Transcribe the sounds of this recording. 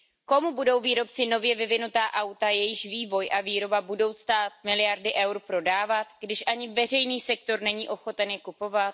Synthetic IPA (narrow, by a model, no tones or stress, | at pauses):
ko̞mubudo̞wviːɾo̞pt͡sɪno̞vjɛvɪvɪnut̪aːʔawt̪ajɛjɪʃviːvo̞jʔaviːɾo̞babudo̞wst̪aːt̪̚mɪlɪjaɾdɪʔɛwɾpɾo̞daːvat̪ɡdɪʃʔaɲɪvɛr̝ɛjniːsɛk̚t̪o̞ɾnɛɲiːʔo̞xo̞t̪ɛnjɛkupo̞vat̪̚